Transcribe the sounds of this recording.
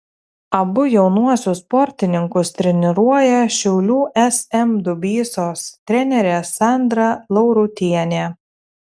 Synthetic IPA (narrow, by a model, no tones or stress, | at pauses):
ɐbʊjɛʊnuɔsʲʊspɔɾʲt̪ʲɪnʲɪŋkʊst̪ʲɾʲɛnʲɪɾuɔjɛʃʲɛʊlʲuːʔɛsɛmd̪ʊbʲiːsoːst̪ʲɾʲɛnʲɛɾʲesɑˑnd̪ɾɐlˠɒʊɾʊt̪ʲiɛnʲeː